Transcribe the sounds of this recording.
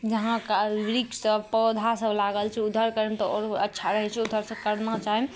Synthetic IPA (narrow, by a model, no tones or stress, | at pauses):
d͡ʒəɦãkaɾiksəbpɔd̪ʱasəblaɡəlt͡ʃʰɛud̪ʱəɾkəɾemt̪ɔɔɾətːʃʰaɾəɦɛt͡ʃʰɛud̪ʱəɾsəb̚kəɾnat͡ʃaɦem